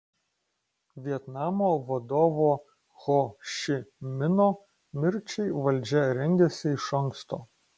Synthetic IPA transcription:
ʋʲiɛt̪nɑːmoːʋɐd̪oːʋoː | ɣoʃʲɪmʲɪnoː | mʲɪɾʲt͡ʃʲɛɪʋɐlʲˑd͡ʒʲɛɾʲɛŋʲɡʲɛsʲɪɪʃɐŋkst̪o̰ː

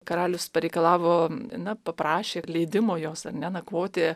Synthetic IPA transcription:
kɐɾɑːlʲʊspɐɾʲɛɪkɐlˠɑːʋoːnɐpɐpɾɑːʃʲeːlʲɛɪd̪ʲɪmoːjoːsɐrnʲɛnɐkʋoːt̪ʲe

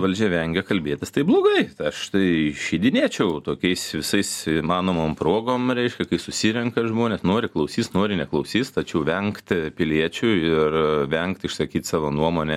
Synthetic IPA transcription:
ʋɐlʲd͡ʒʲɛʋʲɛŋʲɡʲɛkɐlʲbʲeːt̪ʲɪst̪ɐɪblˠoːɡɐɪt̪ɪɐʃt̪ɐɪʃʲiːd̪ʲɪnʲiɛt͡ʃʲɛʊt̪oːkʲɛɪsʋʲɪsɐɪsimɑːnoːmoːmpɾoːɡoːmɾʲɛɪʃʲkʲɛkɐɪsʊsʲiɾʲɛŋkɐʒmoːnʲɛsnoːɾʲɪklˠɐʊsʲiːsnoːɾʲɪnʲɛklˠɐʊsʲiːst̪ɐt͡ʃʲɛʊʋʲɛŋkt̪ʲpʲɪlʲiɛt͡ʃʲʊɪrʋʲɛŋkt̪ɪʃsɐkʲiːt̪sɑːʋoːnuɔmoːnʲɛ

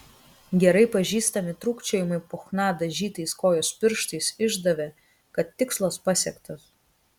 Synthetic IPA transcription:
ɡʲɛɾɐɪpɐʒʲiːst̪ɐmʲɪt̪ɾuːkt͡ʃʲoːjɪmɐɪpoːxnɑːd̪ɐʒʲiːt̪ɐɪskoːjoːspʲɪɾʃt̪ɐɪsɪʒd̪ɐʋʲɛ | kɐt̪ːʲɪkslˠɐspɐsʲɛkt̪ɐs

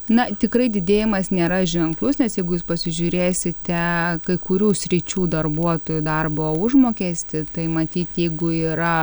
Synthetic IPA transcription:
nɐt̪ʲɪkɾɐɪd̪ʲɪd̪ʲeːjɪmɐsnʲeːɾɐʒʲɛŋklˠʊsnʲɛsjɛɪɡʊjuːspɐsʲɪʒʲʊɾʲeːsʲɪtt̪ʲɛkɐɪkʊɾʲuːsʲɾʲɪt͡ʃʲuːd̪ɐrbuɔt̪oːjud̪ɐrbooʊʒmoːkʲeːsʲt̪ʲɪt̪ɐɪmɐt̪ʲiːt̪jɛɪɡʊiːɾɐ

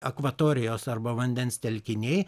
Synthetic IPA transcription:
ɐkʋɐt̪oːɾʲɪjoːsɐɾbɐʋɐnʲd̪ʲɛnst̪ʲɛlʲkʲɪnʲeɪ

